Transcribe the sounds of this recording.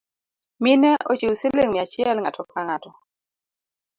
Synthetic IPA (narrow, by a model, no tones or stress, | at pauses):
mɪnɛʔot͡ʃewseleŋmɪat͡ʃɛlŋa̰tʰɔkaŋatɔ